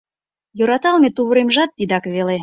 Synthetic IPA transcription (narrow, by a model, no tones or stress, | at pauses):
joɾɑt̪ɑlmet̪uβə̆ɾemʒɑt̪ːid̪ɑkβele